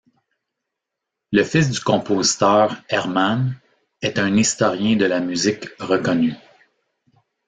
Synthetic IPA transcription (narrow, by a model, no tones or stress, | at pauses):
ləfɪs̬d̪ykɔ̃pʰozi̥t̪œːʁɛʁman | ɛt̪ɛ̃nist̪ɔʁjɛ̃d̪əlamyzɪkʁəkɔny